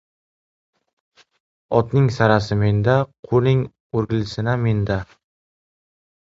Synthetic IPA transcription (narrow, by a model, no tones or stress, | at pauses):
ɒt̪nɪŋsaɾasɪme̞nd̪aqʰonɪŋ | oɾɡʲɪlɪsɪname̞nd̪a